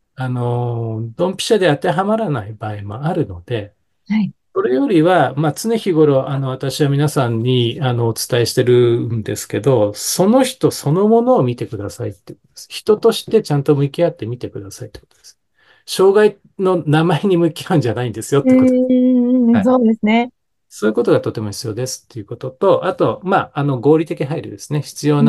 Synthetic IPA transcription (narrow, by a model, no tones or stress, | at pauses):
ano̞d̪õ̞mpʲi̥ɕad̪e̞at̪e̞ɦamaɾanaibaːemo̞aɾɯ̟no̞d̪̥e̞ | aso̞ɾe̞jo̞ɾʲiβamat͡sɨneçiɡo̞ɾo̞ʔano̞βat̪aɕiβamʲinasãɲ̟ːiano̞ːt͡sɨ̥t̪aeɕi̥t̪e̞ɾɯ̟nd̪e̞sɨ̥ke̞d̪o̞so̞no̞çi̥t̪o̞so̞no̞mo̞no̞ːmʲit̪e̞kɯ̟d̪asait̪ːeɯ̟kotd̪od̪̥esçi̥t̪o̞t̪o̞ɕi̥t̪e̞t͡ɕãnt̪o̞mɯ̟kʲiat̪ːe̞mʲit̪e̞kɯ̟d̪asait̪e̥kot̪od̪es | ɕo̞ːɡai | no̞namaeɲ̟imɯ̟kʲiaɯ̟ɲ̟d͡ʑanaĩnd̪e̞sɨjo̞t̪ei | aoːd̪esɨne | soːi̟ko̞t̪o̞ɡat̪o̞t̪e̞mo̞çi̥t͡sɨjo̞ːd̪e̞sɨ̥t̪ːe̞ɯ̟ko̞t̪o̞t̪o̞ʔat̪o̞maːano̞ɡo̞ːɾʲit̪e̞kʲiɦaiɾɯd̪e̞sɨne̞çi̥t͡sɨjo̞ːna